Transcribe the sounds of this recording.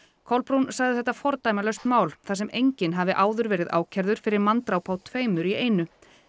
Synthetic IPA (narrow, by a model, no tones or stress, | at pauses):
kʰɔwlpɾunsaɣðɪθɛht̪ːafɔɾt̪aːjmalœst̪maːwlθasɛmejɲcɪnɦavɪʔaːwðʏɾvɛːɾɪða̰ːwcʰɛɾðʏɾ̥fɪɾɪɾmant̪ɾawpʰawt̪ʰveːjmʏɾieːjnʏ